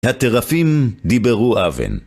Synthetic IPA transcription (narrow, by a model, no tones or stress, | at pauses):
hat̪eʁafimd̪ibeʁuʔavḛn